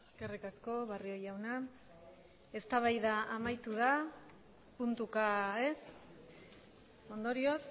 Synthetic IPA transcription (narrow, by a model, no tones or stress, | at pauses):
eskerikasko̞βario̞jawna | e̞st̪aβ̞ajðaʔamajt̪uð̞a | punt̪ukaes | o̞nd̪o̞ɾio̞s